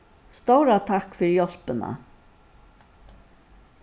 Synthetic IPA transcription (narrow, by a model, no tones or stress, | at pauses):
st̪owɾat̪ʰakfɪɾjɔl̥pɪna̰